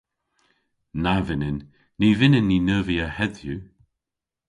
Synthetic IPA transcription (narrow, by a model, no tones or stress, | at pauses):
navɪnɪnː | ivɪnɪnːinəːviəhɛdju